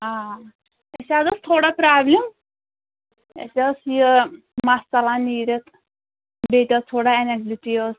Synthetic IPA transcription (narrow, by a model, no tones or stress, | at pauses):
ɦã | esad͡zəst̪ʰoɽapɾablem | ḛsasiə | mast͡salaniːɾet̪ | bet̪ʲat̪ʰoɽaeneɡliʈiəs